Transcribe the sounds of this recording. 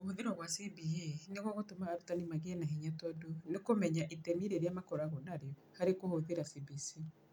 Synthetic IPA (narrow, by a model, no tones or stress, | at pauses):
ohoðeɾɔɣwasibieneɣwɔɣotomaːɾutanimaɣeɛnaɦeɲatɔdonekomɛɲaʔitɛmiɾeɾeamakɔɾaɣɔnaɾeɔhaɾekohoðeɾasibisi